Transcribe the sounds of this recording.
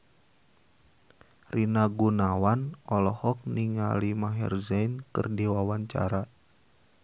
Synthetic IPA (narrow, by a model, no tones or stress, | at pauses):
rinaɡunawanɔlɔhɔk̚niŋa̰limaɦɛ̰rzɛjnkɨ̰rdiwawaɲt͡ʃa̰ɾa